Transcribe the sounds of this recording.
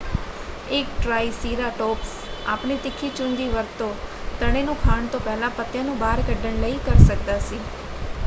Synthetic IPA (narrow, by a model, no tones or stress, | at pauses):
eːk̚ʈɾaːisiːɾaʈɔːps | aːpɳit̪ɪkʰːit͡ʃʊ̃ŋɡiʋəɾt̪ot̪əɽ̃enũkʰaːɳt̪opɛɦlapət̪jãnũbaːɾɡəɖəɳləikəɾsək̚t̪asi